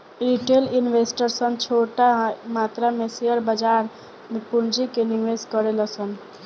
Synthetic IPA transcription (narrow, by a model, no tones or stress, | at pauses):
iʈelinʋesʈəɾsənt͡ʃʰoʈamat̪ɾameseəɾbəd͡ʒaɾ | mepund͡ʒikeniʋeskəɾeləsən